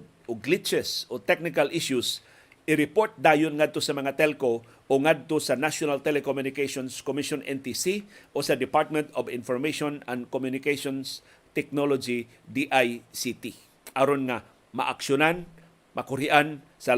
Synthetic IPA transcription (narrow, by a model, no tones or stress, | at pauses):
ʔoɡlit͡ʃɛsʔot̪ɛk̚nɪkalʔɪʃjʊs | ʔɪɾɪpoɹt̪̚d̪aːjonŋad̪̚t̪osɐmɐŋat̪ɛlko | ʔoŋad̪̚t̪osɐnaʃjonalt̪ɛlɛkomjʊnɪkeʃonskomɪʃonʔɛ̰nt̪isiʔosɐd̪ɪpaɹt̪̚mɛ̃nt̪obɪnfoɹmeʃonand̪komjʊnɪkeʃons | t̪ɛk̚nolod͡ʒi | d̪iʔajsit̪i | ʔaɾonŋa | ma̰ʔakʃjonan | mɐkʊɾɪʔan | sa